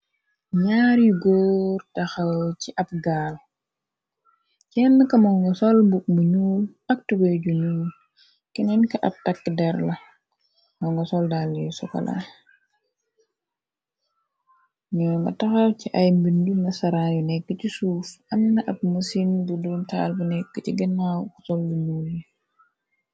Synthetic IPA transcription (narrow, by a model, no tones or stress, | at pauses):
ɲaːɾjuɡɔːrtɐxɐwciʔɐp̚ɡaːl | cɛnːəkɐmɔŋɡɔsɔlmbuk̚muɲuːl | ɐk̚tubɔjɟuɲuːl | kɛnɛnkɐʔɐ̰p̚takːədɛɾlɐ | mɔŋɡɐsɔldalːijusɔkɐ̰la̰ | ɲɔŋɡɐ̰tɐxɐciʔɐjmbindunːɐsɐɾanjunɛkːəcisuːfʔɐmnɐʔɐp̚musinbuduntʰa̰ːlbunɛkːəciɡənawku̥sɔlːuɲuːlji